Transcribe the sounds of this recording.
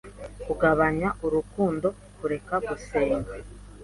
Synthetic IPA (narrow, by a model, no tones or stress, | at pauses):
kuɡaβaɲaʔuɾukuːndo̞ | kuɾe̞kaɡuseːŋɡa